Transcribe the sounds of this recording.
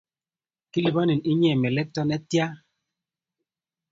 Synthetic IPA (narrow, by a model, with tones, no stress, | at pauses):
ki˦li˨bɔ˦ni˨ni˦ɲɛ˦˨mɛ˨lɛ˦k̚tɔ˦nɛ˦tja˦